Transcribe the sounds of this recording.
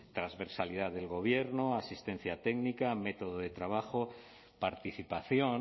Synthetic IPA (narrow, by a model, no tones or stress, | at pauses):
t̪ɾazβe̞ɾsalið̞aðe̞lɣo̞β̞je̞ɾnoasist̪e̞nθjat̪eɡnikame̞t̪oðoðe̞t̪ɾaβ̞axo | paɾt̪iθipaθjon